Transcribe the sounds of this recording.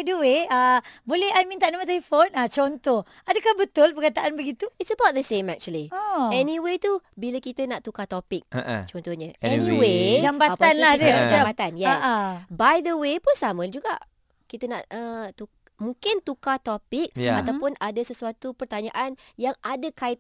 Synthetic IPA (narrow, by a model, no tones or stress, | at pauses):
adəweəbolɛhajmint̪aʔnamat̪̬aifonat͡ʃɔnt̪ɔh | adəkahbət̪ʊlpərkat̪aʔanbəɡit̪uitsəbawt̪̚d̪əsẽmɛk̚t͡ʃuəlioɛnĩwet̪ubilakit̪ənaʔt̪ukat̪opɪk̚t͡ʃɔnt̪ɔhɲə̃ɛnĩwed͡ʒambaat̪anlahdəaambat̪anjɛaʔəbajdəwepʊnsamə̃d͡ʒuɡa̰ʔ | kit̪ənaʔət̪u | mũŋkɪnt̪ukat̪opɪk̚jat̪awpʊnadasəsuat̪upərt̪aɲaʔanjaŋadakaɪt̪̚